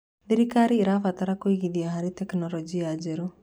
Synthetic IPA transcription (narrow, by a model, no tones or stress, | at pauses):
ðiɾikaɾiːɾafataɾakoiɣiðiaɦaɾitɛknɔlɔd͡ʒiad͡ʒeɾu